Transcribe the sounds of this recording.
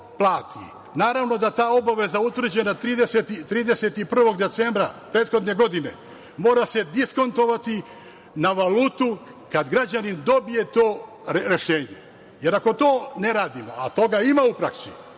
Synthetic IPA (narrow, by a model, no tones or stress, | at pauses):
plˠaːt̪i | naːɾaʋno̞d̪at̪aːo̞baʋe̞zaut̪ʋr̩d͡ʑe̞nat̪ɾiːd̪eset̪it̪ɾiːd̪e̞se̞t̪ipr̩ʋo̞ɡd̪e̞t̪se̞ːmbɾapɾe̞ːt̪xo̞d̪ne̞ɡo̞d̪ine̞̰ | mo̞ːɾase̞d̪isko̞nt̪o̞ʋat̪i | naʋaluːt̪ukad̪ɡɾad͡ʑanind̪o̞bije̞t̪o̞ː | eɾe̞ʃe̞ːɲḛ | je̞ɾako̞t̪o̞ːne̞ɾaːd̪imo̞̰at̪o̞ɡaimaupɾaksḭ